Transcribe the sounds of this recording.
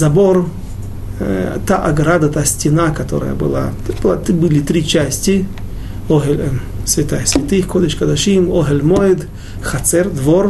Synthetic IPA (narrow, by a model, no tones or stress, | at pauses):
zɐbor | t̪aʔɐɡɾad̪ɐt̪asʲtʲɪnakɐt̪o̰ɾə̰jə̰bɨ̰lˠa̰t̪b̪ˠat̪ibɨlʲɪt̪ɾʲit͡ɕasʲtʲɪ | oɦelʲ | sʲvʲɪt̪ajsʲvʲɪt̪ɨxkod̪əʃʲkɐd̪ɐʂimoɦɛlʲmoɪd̪ | xɐt̪t͡s̪ɛrd̪vor